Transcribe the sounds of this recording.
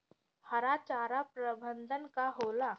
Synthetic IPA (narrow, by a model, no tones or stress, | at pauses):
həɾat͡ʃaːɾapɾəbʱənd̪ʱənkaɦola